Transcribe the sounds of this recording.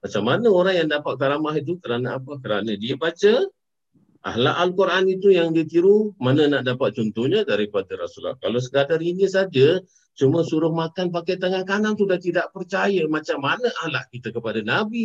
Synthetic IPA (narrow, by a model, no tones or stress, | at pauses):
mat͡ʃamːanəoɾaŋjaŋdapat̪̚kaɾamaɦit̪̬ukəɾanəapakəɾa̰nədiəbat͡ʃə | ʔa̰ɦla̰ʔalkuɾʔanit̪ujaŋdit̪iɾumanənaʔdapat̪̚t͡ʃɔnt̪ʊhɲədaɾipadaɾa̰sula̰hka̰las̬əɡadarinisad͡ʒə | t͡ʃuməsuɾʊhmakanp̬akajt̪aŋankanant̪udaht̪idaʔpərt͡ʃajəmat͡ʃamːanəʔahla̰ʔkit̪əkəpadanabi